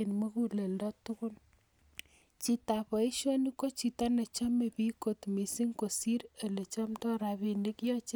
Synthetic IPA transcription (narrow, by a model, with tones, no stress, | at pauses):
e˨nmo˦ku˦le˨ldɔ˦tʊ˦kʊ˦n | t͡ʃi˦ta˨pɔ˨i˦ʃɔ˦ni˦ko˦t͡ʃi˨ta˦ne˨t͡ʃa˦me˨pi˦ko˨tmi˨si˦ŋko˨si˦ɾe˨le˨t͡ʃɔ˦mtɔ˦ɾa˨βi˨ne˦kjɔ˦t͡ʃ